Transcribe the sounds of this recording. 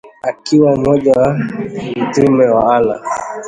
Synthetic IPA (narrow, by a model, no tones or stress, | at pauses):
akiwaumɔd͡ʒawautimɛwaala̰